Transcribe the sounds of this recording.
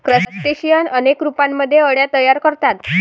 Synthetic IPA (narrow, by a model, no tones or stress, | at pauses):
kɾəsəsʈeɕijənənekɾupamːəd̪ʱːjeəɽjat̪əjaɾkəɾt̪at̪